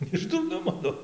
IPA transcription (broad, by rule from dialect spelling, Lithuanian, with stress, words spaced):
ɪʃ dʊrˈnʊmoː ˈnʊ